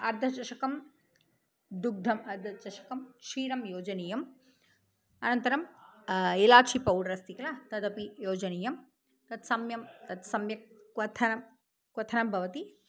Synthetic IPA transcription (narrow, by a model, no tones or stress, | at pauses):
ɐɾd̪ʱɐt͡ʃɐʃɐkɐm | d̪uɡ̚d̪ʱɐmɐɾd̪ʱɐt͡ʃɐʃɐ̥kɐmʂiːɾɐmjoːd͡ʒɐniːjɐm | ɐnɐnt̪ɐɾɐm | ilaːt͡ʃʰipɐwɽɾɐst̪ikɐlɐt̪ɐd̪ɐpijoːd͡ʒɐniːjɐm | t̪ɐt̪sɐmjɐmt̪ɐt̪sɐmjɐ | ʋɐt̪ʰɐnɐ | kʋɐt̪ʰɐnɐmbʱɐʋɐt̪i